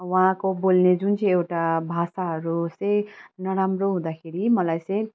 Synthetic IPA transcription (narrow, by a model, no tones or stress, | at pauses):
wããkobolned͡zunt͡sʌ̃j̃ewʈabʱasaɦʌɾut͡sʌ̃j̃nʌɾamroɦũd̪akʰeɾimʌlajt͡sʌ̃j̃